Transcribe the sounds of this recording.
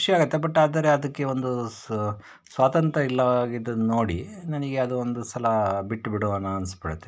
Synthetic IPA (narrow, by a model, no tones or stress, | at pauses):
kuʂjaːɡɐt̪ːe̞bɐʈːaːd̪ɐɾeɐd̪ɐkːe̞o̞nd̪u | sʋaːt̪ɐnt̪ɾɐilːɐʋaːɡid̪unno̞ːɽḭnɐnɐɡe̞ɐd̪uond̪usɐlɐbiʈːbiɽoɐnːuɐnspɐɽut̪ːe